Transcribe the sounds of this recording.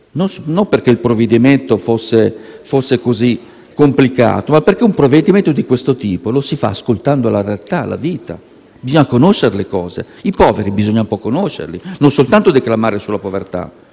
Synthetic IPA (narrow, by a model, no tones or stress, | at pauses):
nosnomperk̟eilpɾoved̪iment̪ofosːefosːekozi | kːomplika̰ːt̪omapːerk̟eumpɾoved̪iment̪od̪ikwest̪ot̪iːpolosifa̰ːskolt̪and̪olaɾealt̪ala̰viːt̪a̰ | bizoɲakonoʃːeɾlekɔːzḛ | ipɔːveɾibizoɲːaumpɔkːonoʃːḛɾlinonsolt̪ant̪od̪eklamaːɾesulapovert̪a̰